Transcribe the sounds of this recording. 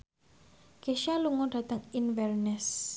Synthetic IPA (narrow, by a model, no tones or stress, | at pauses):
ɡ̥eʃaluŋɔɖ̥a̤t̪əŋinwɛrnɛs